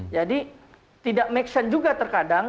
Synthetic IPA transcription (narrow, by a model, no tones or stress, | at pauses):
d͡ʒadi | t̪idaʔmɛksand͡ʒuɡat̪ərkadaŋ